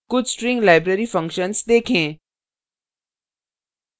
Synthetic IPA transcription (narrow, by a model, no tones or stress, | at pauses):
kʊd͡ʒsʈɾĩŋɡlaɪbɾeɾifə̃ŋkʃənsd̪eːkʰẽː